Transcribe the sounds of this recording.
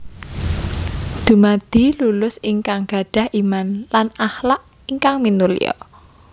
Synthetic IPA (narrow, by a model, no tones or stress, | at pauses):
d̪̥ṳmad̪̥i̤lulʊsiŋkaŋɡ̥a̤ɖ̥a̤hʔimanlanahlaʔ | iŋkaŋminulḭjɔ̰